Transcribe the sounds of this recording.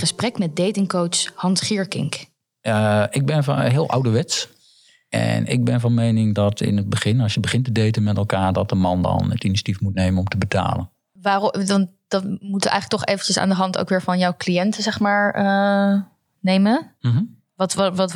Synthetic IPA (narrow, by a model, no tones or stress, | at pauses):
əsprɛkmɛt̚dejtɪŋkowtshɑntχɪɹkɪ̰ŋk | ɪɡ̚bɪnfɦɪəlˠʔa̰wdəʋɛts | ɛ̰nɪ̰ɡ̚bɪnvɔnmejnɪŋdɔtɪ̰nəd̚bəχɪnɔlsjəbəχɪntədejtənmɛtɛlˠkaːɹdɔt̚dəmɑndɔ̰nə̰tinisatifmutnejmənɔmtəbəta̰ːlə̰n | ʋaːrdn | d̥ɑtmutɛ̰jxχləktɔχejvənt͡ʃəsa̰ːndəɦɑnto̰wkʋɪːɹvɑnjɔwklijɛntəzɛχmaːɹə | nejmə | ʋtʋɑt